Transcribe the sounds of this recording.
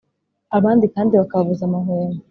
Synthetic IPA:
aβaːndikaːndiβakaβavuzamaɦuːnu

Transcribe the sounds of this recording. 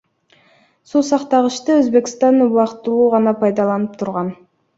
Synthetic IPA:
susɑqt̪ɑʁəʃt̪ɯɵzbe̞kst̪ɑnuβɑqt̪ɯlˠuːʁɑnɑpʰɑjd̪ɑlˠɑnɯp̚t̪ʰuɾʁɑn

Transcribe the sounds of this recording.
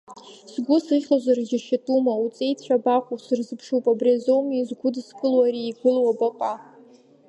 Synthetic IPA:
sɡʷʊsɨʁʲlazʷarʒʲɪʃatʼumaut͡sʼe̞jt͡ɕʷʰᶣabaqʷusɨrzɨpʰʂupʼabrazomizɡʷʊdskʼɨlwaɾiːɡʷʊlwabaqʷʼa

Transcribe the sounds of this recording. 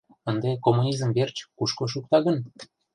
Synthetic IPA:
ənd̪ekomːunʲizəmβert͡ɕkuʃkoʃ̬uk̚t̪ɑɣə̆n

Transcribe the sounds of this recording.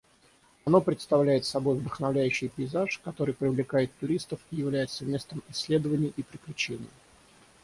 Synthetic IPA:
ɐno̞pɾʲɪt̪st̪ɐvlʲæjɪt̪sɐbo̞jvd̪əxnɐvlʲæjʉɕːɪjpʲɪɪzaʂkɐt̪o̞ɾɨjpɾʲɪvlʲɪkajɪt̪ːʊɾʲist̪əfijɪvlʲæjɪt̪səmʲe̞st̪əmɪsʲːlʲe̞d̪əvənʲɪjːʔipɾʲɪklʲʉt͡ɕenʲɪ̰jə

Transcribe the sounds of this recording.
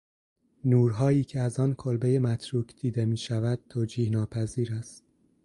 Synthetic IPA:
nuːɾɦɒːiːcʰe̞æzɒːnkʰolbe̞jemæt̪ʰɾuːkʰd̪̥iːd̪e̞miːʃævæd̪̥̚t̪ʰoːd͡ʒiːhnɒːpʰæziːɾæst̪̚

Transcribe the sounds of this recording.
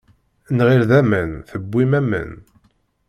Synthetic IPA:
nʁiɾðæmənθəbːimæmə̰n

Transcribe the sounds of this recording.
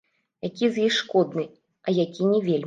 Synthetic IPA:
jakʲizjixʂkɔd̪̚nɨ | ɐjakʲinʲɛvʲelʲ

